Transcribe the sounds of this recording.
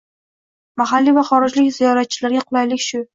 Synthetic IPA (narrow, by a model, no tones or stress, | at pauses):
maɦalːivaχɒɾɪd͡ʒlɪkʲzijɒɾat̪̚t͡ʃʰɪlaɾɡʲaqʰʊlˠajlɪkʲʃʊ